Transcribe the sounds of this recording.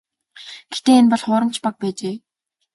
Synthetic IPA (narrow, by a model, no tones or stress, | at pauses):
ɡ̥ext̪eːenpɔɮχʊːɾə̆n̥t͡ɕʰpak̚pæːt͡ɕeː